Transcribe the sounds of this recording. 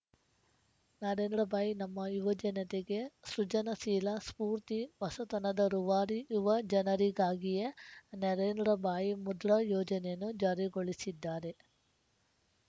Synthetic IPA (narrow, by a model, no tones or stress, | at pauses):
nɐɾeːnd̪ɾɐbaːjinɐmːɐjuʋɐd͡ʒɐnɐt̪eɡe̞sɾut͡ʃɐnɐsiːlɐspuːɾt̪iʋɐsɐt̪ɐnɐd̪ɐɾuʋaːɾijuʋɐd͡ʒɐnɐɾiɡaːɡijenɐɾeːnd̪ɾɐbʱaːjimud̪ɾɐjɔːd͡ʒɐnejɐnːud͡ʒaːɾiɡoɭisid̪ːaːɾe̞